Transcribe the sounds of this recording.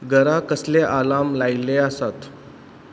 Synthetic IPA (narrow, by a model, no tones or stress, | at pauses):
ɡəɾakəsleʔalamlaileasat̪